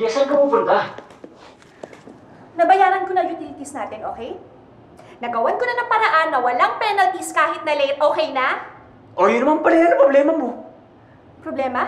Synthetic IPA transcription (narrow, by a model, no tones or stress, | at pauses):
ɛsɐŋkɐpupʊnt̪a | nɐbɐjaːɾɐnkonɐjʊt̪ilɪt̪isnaːt̪ɪnʔo̰ːkɛj | nɐɡɐwɐnkonɐnɐŋpɐɾɐʔanːɐwɐlaŋpɛnɐlt̪iskaːhɪt̪̚nɐlɛjt̪̚ʔoːkɛjnɐ | ʔojʊnːɐmaŋpɐlɛnpɾoblɛːmɐmo̞ | pɾoblɛːmɐ